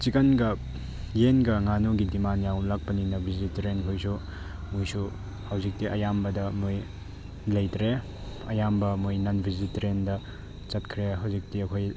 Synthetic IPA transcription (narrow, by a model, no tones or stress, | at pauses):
t͡ʃikɐnɡɐ | jenɡɐŋanoɡidimanjawlak̚pɐninɐbʱizitɾenɦujsu | mujsu | hɐwzik̚tiʔɐjambɐdɐmuj | lɐjtɾe | ɐjambɐmujnɐnbʱizitɾendɐ | t͡ʃɐt̚kʰɾeɦawzik̚tiɐkʰoj